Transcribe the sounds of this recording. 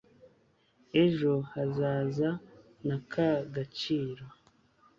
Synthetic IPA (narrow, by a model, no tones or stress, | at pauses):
e̞ʒo̞hazaːza | nakʰaɡat͡ʃiːɾo